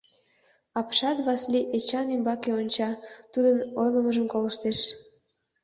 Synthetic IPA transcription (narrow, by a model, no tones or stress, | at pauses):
ɑpʃɑt̪βɑsliʔet͡ɕɑnimbɑkeonʲt͡ɕɑt̪ud̪ənojləməʒəmkoləʃt̪eʃ